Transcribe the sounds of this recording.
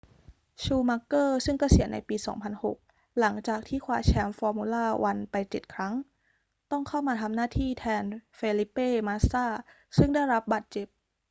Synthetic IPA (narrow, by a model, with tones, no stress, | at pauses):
t͡ɕʰuː˧ma˦˧˥kːɤː˥˩sɯ˥˩ŋka˧˥˩si˨˩˦ənʔa˧jpiː˧sɔ̰ː˩˦ŋpʰa˧nho̰˨˩k̚ | la˩˦ŋt͡ɕaː˨˩k̚t̪ʰiː˥˩kʰwaː˧˩t͡ɕʰɛː˧mfɔː˧muː˧laː˥˩wa˧npa˧jt͡ɕe˨˩t̪̚kʰɾa˦˥ŋ | t̪ɔ˥˩ŋkʰa˥˩wmaː˧t̪ʰa˧mnaː˥˩t̪ʰiː˥˩t̪ʰɛː˧nfeː˧li˦˥pːeː˥˩maː˧˥saː˥˩ | sɯ˥˩ŋda˥˩jɾa˦˥p̚baː˨˩t̪̚t͡ɕe˨˩p̚